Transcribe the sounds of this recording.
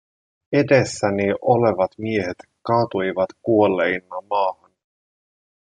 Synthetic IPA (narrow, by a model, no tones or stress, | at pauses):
edesːæniʔole̞ʋɑt̪mie̞het̪kɑːt̪ujʋɑt̪kuolːejnːɑmɑːhɑn